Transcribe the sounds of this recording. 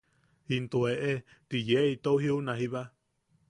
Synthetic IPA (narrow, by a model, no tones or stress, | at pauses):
int̪ueʔet̪ijeit̪ouhiunaɦiβa